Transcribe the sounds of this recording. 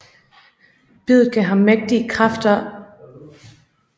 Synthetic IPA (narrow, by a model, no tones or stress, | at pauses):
b̥ið̰ˠð̩ˠkʰæɦæmeɡ̥̚d̥iəkʰʁɑfd̥ɐ